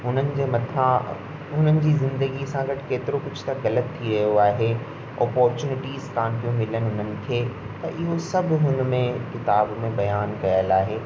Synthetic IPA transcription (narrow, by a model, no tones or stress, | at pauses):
ʊn̤ənɪ̆d͡ʑeːmɐt̪ʰa | ʊn̤ənɪ̆d͡ʑiːzɪ̃nd̪əɡisãɡɐʈkeːt̪ɪɾokʊd͡ʑʰt̪ɐɣɐlət̪ʰːiɾɐjoaːɦe | ɔ̰ːpɔːɾt͡ɕuːnɪʈiːzkaːnpijũmɪlənɪ̆ɦʊn̤ənɪ̆kʰeː | t̪ɐʔɪɦosɐbʱɦʊnmẽkɪt̪aːbmẽbɐjaːnkɐjəlaːɦeː